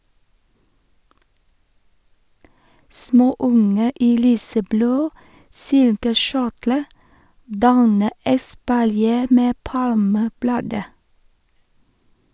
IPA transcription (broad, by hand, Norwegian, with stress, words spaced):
ˈsmoːˌʊŋə ˈiː ˈlyːsəˌbloː ˈsɪlkəˌʃʊʈlə ˈdɑnə ɛspɑlˈjeː ˈmeː ˈpɑlməˌblɑːdə